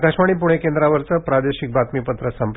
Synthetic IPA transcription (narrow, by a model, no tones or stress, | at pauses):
kaɕmaɽ̃iːp̬uɽ̃ekend̪ɾaʋəɾt͡səpɾad̪eɕik̚bat̪mipət̪ɾəsəmp